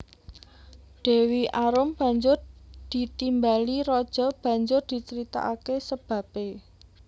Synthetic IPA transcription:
ɖ̥e̤wiʔaɾʊmb̥ä̤ɲd͡ʒʊrd̪̥i̤t̪imbaliɾɔd̥ʒ̥ɔ̤b̥ä̤ɲd͡ʒʊrd̪̥i̤t͡ʃəɾit̪a̰ʔakesəb̥ä̤pe

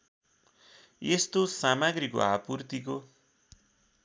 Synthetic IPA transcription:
est̪osamaɡɾiko̰ɦa̰purt̪iko

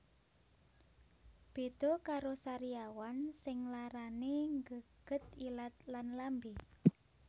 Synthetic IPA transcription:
b̥ed̪̥okaɾosaɾiawansɪŋlaɾaneŋɡəɡ̥ət̪̚ilat̪̚lanlambi

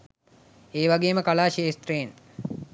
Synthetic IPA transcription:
eːʋaɡeːməkalaːʃeːst̪reːn

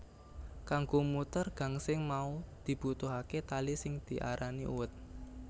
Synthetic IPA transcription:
kaŋɡomut̪ərɡ̥a̤ŋsɪŋmaud̪̥i̤b̥ut̪uɦaket̪alisɪŋd̪̥i̤ʔa̰ɾʔaniʔṵwət̪̚

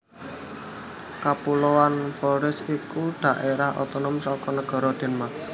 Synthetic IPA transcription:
kapulowanfɔɾɪsikuɖ̥ä̤ʔeɾahɔ̰t̪ɔnɔmsɔkɔnəɡ̥ɔ̤ɾɔd̪̥e̤nma

